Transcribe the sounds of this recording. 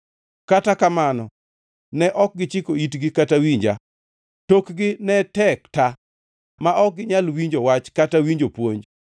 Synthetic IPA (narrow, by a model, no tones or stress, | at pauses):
katakamanɔ | nɛʔɔk̚ɡɪt͡ʃɪkoitɡɪkatawiɲd͡ʒa̰ | tokɡɪnɛtɛkta | maʔɔk̚ɡɪɲalwiɲd͡ʒowat͡ʃkatawiɲd͡ʒopwoɲd͡ʒ